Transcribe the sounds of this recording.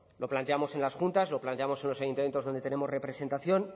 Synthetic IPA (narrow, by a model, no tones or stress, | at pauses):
loplant̪eamo̞se̞nlasxunt̪azlo̞plant̪e̞amo̞se̞nlosajunt̪ame̞nt̪oðonet̪ee̞mo̞zre̞pɾe̞se̞nt̪aθjo̞n